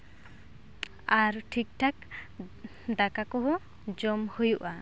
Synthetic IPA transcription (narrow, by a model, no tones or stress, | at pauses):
aɾʈʰik̚ʈʰak | d̪akakɔɦɔ | d͡ʒɔmhojuʔa